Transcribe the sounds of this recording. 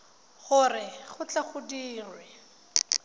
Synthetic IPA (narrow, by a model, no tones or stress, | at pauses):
χʊrɪχʊt͡ɬaχʊdiːrwɛ